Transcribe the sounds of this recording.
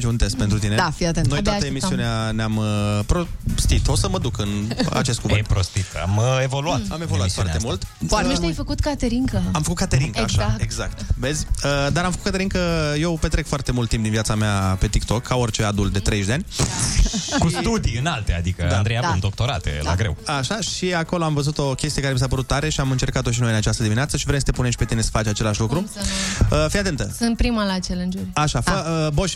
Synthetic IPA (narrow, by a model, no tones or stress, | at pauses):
t͡ʃunt̪es̚pent̪ɾut̪ineafiat̪nojt̪aəemisiiuneaneampɾost̪it̪osəməd̪ukɨna̰t͡ʃe̞st̪kuvɨt̪pɾost̪it̪a̰mevo̞luat̪amevoluaffaremult̪oaɾmiʃt̪ajfəkut̪kat̪eɾiŋkəamfəkut̪̚kat̪eɾiŋkəaʃaeɡzakt̪ve̞zʲəd̪aɾamfəkut̪kat̪eɾiŋkəjewpet̪ɾekfoart̪e̞mult̪ːimpd̪inviat̪sameape̞t̪ikt̪o̞kʰːao̞rt͡ʃe̞ad̪ult̪d̪e̞t̪ɾeʒd̪eanʲ | kust̪ud̪iɨnalt̪ea̰d̪ikəa̰nd̪ɾejadund̪o̞kt̪o̞ɾat̪ḛla̰ɡɾe̞̰waʃaʃiako̞lo̞amvəzut̪o̞kʲest̪iekaɾemis̬apəɾut̪ːaɾe̞ʃiamɨnt͡ʃe̞rkat̪o̞ʃ̬inojɨnat͡ʃast̪əd̪imineat̪səʃivɾemsət̪epuneʃʲpe̞t̪ine̞sə̥fat͡ʃʲat͡ʃe̞laʃlukɾu | əfijat̪e̞nt̪əsɨnt̪̚pɾimalat͡ʃelend͡ʒeɾaʃafəəboʃ